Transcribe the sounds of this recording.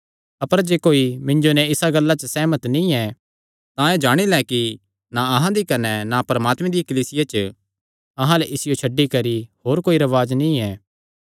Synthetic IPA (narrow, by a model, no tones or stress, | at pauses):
ɐpəɾd͡ʒeːkoːimɪ̃ɲd͡ʒonɛɪsaɡɐlːat͡ʃəsɛːmət̪nĩɛ | t̪ãed͡ʒaːɽ̃ilɛki | naɐɦãd̪ikɐnɛnapɾɐmaːt̪mẽd̪ijkɐliːsɪjat͡ʃə | ɐɦãlɛʔɪsɪjot͡ʃʰɐɖːikɐɾihoːɾkoːiɾɐʋaːd͡ʒnĩɛː